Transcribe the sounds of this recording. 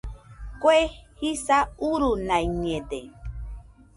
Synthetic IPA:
kwehisauɾunajɲed̪e

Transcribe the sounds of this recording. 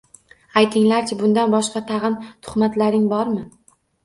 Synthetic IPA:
ajt̪ʰɪŋlaɾt͡ʃʰabʊnd̪anbɒʃqɑt̪ʰɑʁɨnt̪ʰʊ̥χmat̪laɾɪŋbɒɾmɪ

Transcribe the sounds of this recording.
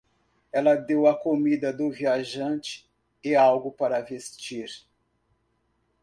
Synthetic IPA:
ɛlɐd̪ewɐkomid̪ɐd̪ʊviaʒɐ̃t͡ʃɪ̥ | ɪawɡʊpaɾɐvest͡ʃiɾ

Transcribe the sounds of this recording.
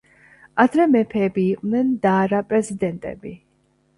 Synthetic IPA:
ad̪ɾɛmɛpʰɛːbiːqʼvnɛnd̪aːɾapʼɾɛzid̪ɛnt̪ʼɛ̰bi

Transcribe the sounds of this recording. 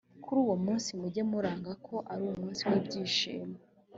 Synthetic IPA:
kʰuɾuːwo̞muːnsimuɟe̞muɾaːŋɡakʰo̞ʔaɾuumuːnsiwiːbɟiːʃḭːma

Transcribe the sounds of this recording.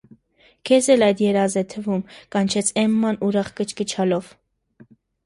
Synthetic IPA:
kʰɛzɛlɑjd̪jɛɾɑzɛt̪ʰəvumkɑnt͡ʃʰɛt͡sʰɛmːɑnuɾɑχkət͡ʃʰkət͡ʃʰɑlɔv

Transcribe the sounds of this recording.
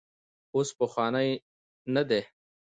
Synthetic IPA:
oːspəxwɑːnəj | nad̪e

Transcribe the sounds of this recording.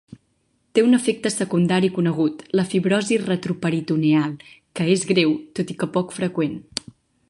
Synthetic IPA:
t̪eunəfek̚t̪əsəkund̪aɾikunəɣ̞ut̪ləfiβɾɔzirət̪ɾupəɾit̪unealˠ | kəezɣɾewt̪ot̪ikəpɔkfɾəkwen

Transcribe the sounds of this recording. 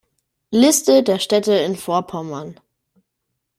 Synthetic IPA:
lɪstədeːɐʃtɛtəɪnfoːɐpʰɔmɐn

